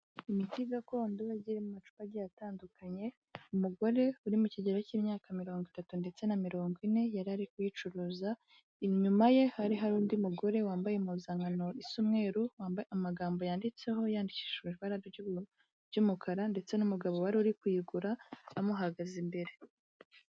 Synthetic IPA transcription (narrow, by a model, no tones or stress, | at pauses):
imitiɡako̞ːndoaɟiɾemumat͡ʃu̥paɟijataːndukʰaɲe̞ | umuɡo̞ɾe̞uɾimuciɟeɾeciːmɲaːkamiɾo̞ːŋɡwitatunde̞t͡se̞namiɾo̞ːŋɡine̞jaɾiaɾikujit͡ʃuɾuza | iɲumaje̞haɾiɦaɾuːndiumuɡo̞ɾe̞waːmbajemazaŋɡano̞ʔisumŋe̞ːɾuwaːbamaɡaːmbo̞jaːndit͡se̞ho̞jaːndiciʃumiɾβaɾaɾo | ɟumukʰaɾande̞t͡se̞numuɡaβowaɾiuɾikwiːɡuɾaːmuɦaɡazimbe̞ɾe̞